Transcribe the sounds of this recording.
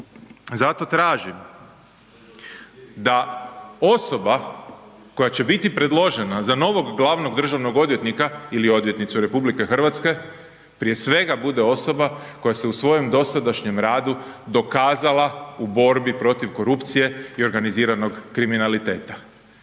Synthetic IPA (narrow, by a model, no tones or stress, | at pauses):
zat̪o̞t̪ɾaːʒim | d̪ao̞so̞ba | ko̞jat͡ɕe̞bit̪ipɾe̞d̪lˠo̞ʒe̞nazano̞ʋo̞ɡːlˠaʋno̞ɡd̪r̩ʒaʋno̞ɡo̞d̪ʋje̞t̪nikailio̞d̪ʋje̞t̪nit̪suɾe̞publike̞xr̩ʋat̪ske̞ | pɾije̞sʋe̞ɡabud̪eo̞so̞bako̞jaseusʋo̞jemd̪o̞sad̪aʃɲe̞mɾaːd̪ud̪o̞kaːzalaubo̞ɾbipɾo̞t̪iʋko̞ɾupt̪sije̞io̞ɾɡaniziːɾano̞ɡːɾiminalit̪e̞ːt̪a